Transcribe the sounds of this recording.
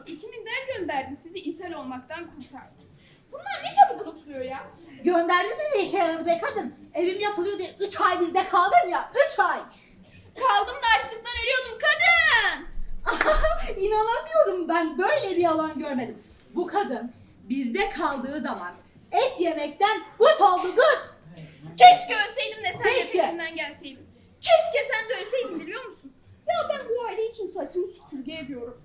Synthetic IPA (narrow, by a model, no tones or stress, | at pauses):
icʰimind̪ænɟø̞nd̪æɾd̪imsiziisɛlʲo̞lˠmak̚t̪ʰankʰuɾt̪ʰaɾd̪ɯ | bund̪aɾnet͡ʃeb̪ibulˠut̪ʰulˠujo̞jaːɟø̞nd̪æɾd̪imind̪ɛʃejaɾad̪ɯmɛkʰad̪ɯne̞vimijapʰɯlˠɯjo̞d̪ijaʔyt͡ʃajbizd̪ɛkʰalˠd̪ɯɾmjayt͡ʃʰaj | kʰalˠd̪ɯmd̪aːʃlˠɯmd̪aneɾijo̞d̪umkʰad̪ɯnainanamɯjo̞ɾumbænbø̞jlʲɛbialˠanɟøɾme̞d̪im | bukʰad̪ɯn | bizd̪ɛkʰalˠd̪ɯːzaman | ɛt̪je̞mɛc̚t̪ænɡ̥ut̪ʰo̞lˠd̪uɡut̪cʰɛʃcɛølʲsejd̪imnɛsɛʃcɛind̪ænɟælʲsejd̪im | cʰɛʃcɛsænd̪ølʲsejd̪imb̪ilʲijo̞ɾmusun | jabænbuajleit͡ʃʰinsat̪ʰɯebijo̞ɾum